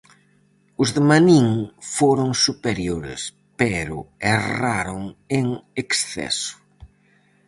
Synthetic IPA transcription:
ʊzðemaniŋfoɾoŋsupeɾjoɾɪ̰s | pɛɾʊ̰ɛraɾoŋeŋeksθɛ̰sʊ̥

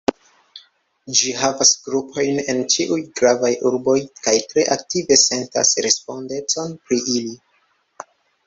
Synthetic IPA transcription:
d͡ʒiɦavasɡɾupʰo̞jne̞nt͡ʃiʔujɡɾavajʔuɾbo̞jkajtɾe̞ʔak̚tive̞se̞nta̰sɾe̞spo̞nde̞t͡so̞npɾiʔili

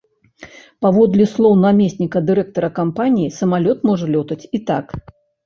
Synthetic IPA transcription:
pavɔd̪lʲislˠɔwnamʲesʲnʲikɐd̪ɨɾɛk̚t̪ɐɾɐkampanʲijisɐmalʲɔt̪mɔʐɐlʲɔt̪ɐt͡sʲit̪ak

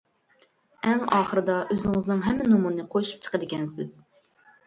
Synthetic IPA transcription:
ɛŋɑːχəɾɨd̪ɑʔøzɪŋɪznɨŋɦɛmːɪnumuɾnɨqʰojʃu̥p̚t͡ʃʰə̥qəd̪ɪkʲɛnsɪz̥

